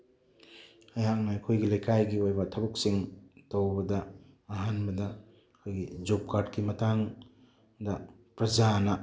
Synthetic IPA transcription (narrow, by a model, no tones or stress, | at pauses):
ɐjak̚nɐɐjkʰojɡilɐjkʰajɡiojbɐtʰɐbuk̚siŋtowbɐdɐː | ɦanbɐdɐ | ɐkʰojɡid͡ʒop̚kaɾdkimɐtʰaŋ | dɐpɾɐzanɐ